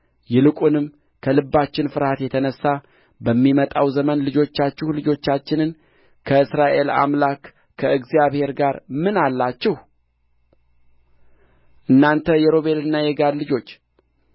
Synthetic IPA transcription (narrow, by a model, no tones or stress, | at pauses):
jɛlɨkʷʼunɨm | kʰəlɨbːat͡ʃːɪnfɨɾhat̪jɛt̪ʰənəsːa | bəmːimət̪ʼawzəmənlɨd͡ʒo̞t͡ʃːat͡ʃːɛhlɨd͡ʒo̞t͡ʃːat͡ʃːɪnɨn | kʰəɨsɾaʔe̞la̰mlakːʰ | əɨɡzijaβhe̞ɾɡaɾmɨnalːat͡ʃːɛhu | ʔɨnːant̪ʰəjɛɾo̞βe̞lɨnːajɛɡad̪lɨd͡ʒo̞t͡ʃː